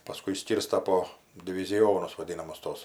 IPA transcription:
pɐˈskʊɪ ɪʃʲˈsʲkʲiːrstɐ poː dʲɪʋʲɪzʲɪˈjoːnʊs ʋɐˈdʲiːnɐmʊs ˈtuɔs

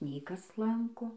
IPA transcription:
nʲɛɪ ˈkɐs ˈlˠɐŋkoː

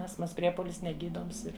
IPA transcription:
ˈɑːstmɐs ˈpʲrʲiɛpoːlʲɪs nʲɛˈɡʲiːdoːms ˈɪr

